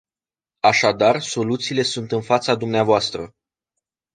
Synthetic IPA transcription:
aʃad̪arso̞lut̪siːle̞sunt̪ɨnfat̪sad̪umneavoast̪ɾə

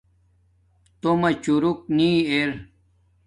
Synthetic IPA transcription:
t̪omɐt͡ɕuɾuk̚niːeɾ

